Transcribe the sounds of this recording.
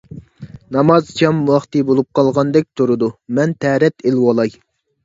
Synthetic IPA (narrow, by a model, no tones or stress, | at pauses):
nɑmɑzt͡ʃʰɑmwɑχt̪ɨbolˠup̚qʰɑlˠʁɑnd̪ɛk̚ʲt̪ʰuɾɨd̪umɛnt̪ʰɛːɾɛt̪elwɑlˠɑj